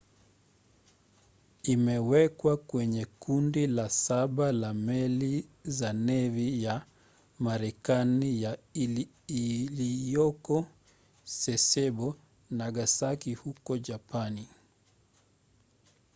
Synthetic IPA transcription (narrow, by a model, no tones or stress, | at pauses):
imɛwɛkwakwɛɲɛkundilasaɓalamɛlizanɛvija | maɾɛkanija | lijɔkɔ | sɛsɛbɔ | naɡasakihukɔʄapani